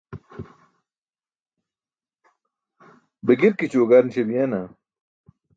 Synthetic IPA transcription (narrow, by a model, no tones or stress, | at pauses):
beɡiɾkit͡ɕuɡaɾnɕebijana